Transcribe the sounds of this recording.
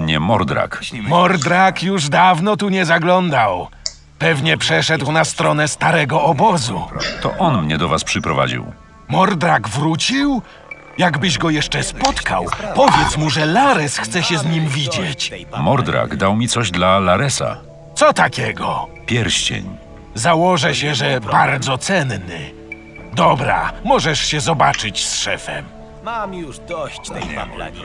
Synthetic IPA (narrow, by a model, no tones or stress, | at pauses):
mɲɛmɔɾd̪ɾa̰kmɔɾd̪ɾakjuʐd̪avnɔt̪uɲɛzaɡlɔnd̪aw | pɛvɲɛpʂɛʂɛd̪wnast̪ɾɔnɛst̪aɾɛɡɔɔbɔzṵt̪ɔ̰ʔɔnmɲɛd̪ɔvaspʂɨpɾɔva̰d͡ʑḭw | mɔɾd̪ɾaɡvɾut͡ɕiw | jaɡbɘʑɡɔjɛʂt͡ʂɛspɔt̪ka̰wpɔvʲjɛt̪smuʐɛlaɾɛsxt̪sɛɕɛzɲimvʲid͡ʑet͡ɕmɔɾd̪ɾa̰ɡd̪awmʲitsɔʑd̪lalaɾɛsa̰ | t̪sɔt̪akʲɛɡɔpʲjɛɾɕt͡ɕḛɲ | zawɔʐɛɕɛʐɛbaɾd̪zɔt̪sɛnnɘ̰ | d̪ɔbɾa̰mɔʐɛʂɕɛzɔbat͡ʂɘt͡ɕsʂɛfɛ̰m